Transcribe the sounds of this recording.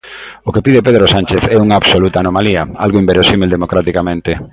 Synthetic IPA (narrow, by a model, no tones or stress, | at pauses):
okepiðepeðɾosant͡ʃeθɛuŋaːβsolut̪aːnomaliɐa̰lɣoimbeɾosimeld̪emokɾat̪ikamẽnt̪e